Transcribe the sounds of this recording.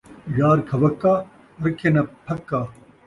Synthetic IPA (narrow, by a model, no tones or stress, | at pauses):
jaːɾkʰɐʋɐkːaː | ɐɾɐkʰːenɐpʰɐkːaː